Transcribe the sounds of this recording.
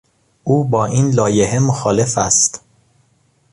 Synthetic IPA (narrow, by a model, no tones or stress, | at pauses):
ʔuːbɒːʔiːnlɒːjeɦe̞moxɒːle̞fæst̪